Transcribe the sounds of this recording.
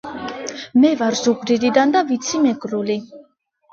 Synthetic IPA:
mɛvaɾzuɡɾiɾid̪and̪avit̪sʰimɛɡʼɾuli

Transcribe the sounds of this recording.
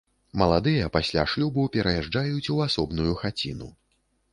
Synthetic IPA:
mɐlˠad̪ɨjɐpasʲlʲa̰ʂlʲubɨpʲɛɾɐjaʐd͡ʐajut͡sʲuasɔbnujuxat͡sʲḭnṵ

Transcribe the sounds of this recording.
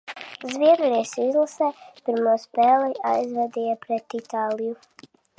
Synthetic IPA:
zviɛɾɾiːsizlˠasɛːpiɾmoːspɛːlɛʔajzvɛd̪ijapɾɛt̪it̪aːliju

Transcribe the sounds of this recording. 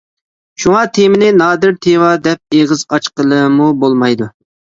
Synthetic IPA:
ʃuŋɑt̪ʰemɪnɪnɑːd̪ɪɾt̪ʰewɑd̪ɛp̚eʁɨzɑt͡ʃqəlˠɨmubolˠmɑjd̪u

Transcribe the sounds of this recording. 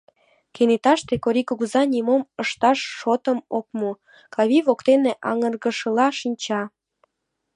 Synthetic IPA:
kenet̪ɑʃt̪ekoɾʲikuɣuzɑnʲimoməʃt̪ɑʃːot̪əmok̚mu | kɑβʲiβokt̪eneʔɑŋərɣəʃəlɑʃinʲt͡ɕɑ

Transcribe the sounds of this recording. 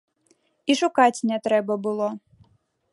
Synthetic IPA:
iʂukat͡sʲnʲɛt̪ɾɛbɐbɨlˠɔ

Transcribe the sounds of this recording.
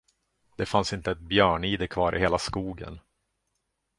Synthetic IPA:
d̪̥ɛfansɪnt̪əɛt̪̚bjœːɳiːd̪əkʰvɑːɾʔɪ̰heːlaskuːɡə̰n

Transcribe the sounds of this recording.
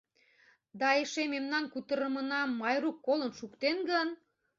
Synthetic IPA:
d̪ɑeʃememnɑnkut̪əɾəmənɑmːɑjɾukːolənʃukt̪enɡən

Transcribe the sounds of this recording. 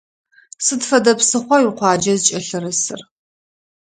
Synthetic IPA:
sɨdfɐdɐpsɨχʷɔwɪqʷʰɑːd͡ʒɐzt͡ʃʼɐɬɨrɨsɨ̰r

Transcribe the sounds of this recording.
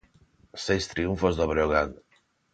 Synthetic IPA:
sejst̪ɾiuɱfozðoβɾoɣan

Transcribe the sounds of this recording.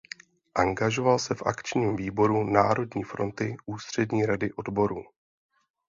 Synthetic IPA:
ʔaŋɡaʒo̞valsɛfʔa̰kt͡ʃɲiːmviːbo̞ɾuna̰ːɾo̞dɲiːfɾo̞̰nt̪ɪʔuːst̪r̝̥ɛdɲiːɾadɪʔo̞dbo̞ɾuː

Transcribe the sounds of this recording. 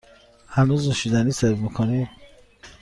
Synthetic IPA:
hænuzneʃid̪æniːseɾvmikʰoni

